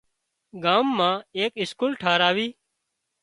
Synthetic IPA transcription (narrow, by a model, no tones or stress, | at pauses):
ɡaːmːãːeːkɪskuːlʈʰaːɾaːʋiː